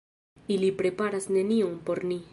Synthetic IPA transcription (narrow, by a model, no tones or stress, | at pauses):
ilipɾe̞paɾasne̞nionpo̞ɾni